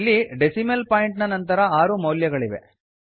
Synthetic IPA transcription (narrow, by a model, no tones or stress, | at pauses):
lːiɖesimelpaːjiɳʈnɐnɐnt̪ɐɾɐaːɾumɐwljɐɡɐɭiʋe̞̰